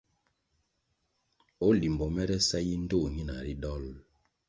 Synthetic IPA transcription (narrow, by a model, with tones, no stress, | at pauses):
o˦li˨mbɔ˨mɛ˦ɾɛ˦sa˦ji˦n̩˦do˦˨ŋi˦na̰˨ɾi˦ɗɔ˦l